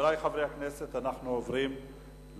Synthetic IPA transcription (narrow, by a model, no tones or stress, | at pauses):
lajχavʁejhaknese̞t̪anaχnuovʁim | l